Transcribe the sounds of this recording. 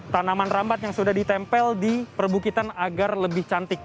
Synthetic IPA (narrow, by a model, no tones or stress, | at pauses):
t̪anamanrambat̪̚jaŋsudahdit̪ɛmpɛldipərbukit̪anaɡarləbɪht͡ʃant̪ɪk̚